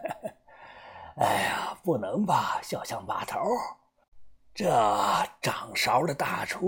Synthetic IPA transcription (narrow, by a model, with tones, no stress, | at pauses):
a˧˩ɪpu˧˥˩nɤ˧˥ŋba˨˩ɕjɑ˥˩ʊɕjɑ˥˩ŋpa̰˨˩t̪ʰo˧˥ | ʈ͡ʂɤ˥˩ʈ͡ʂɑ˨˩ŋʂɑ˧˥ʊlə˨˧t̪a̰˥˧˩ʈ͡ʂʰu˥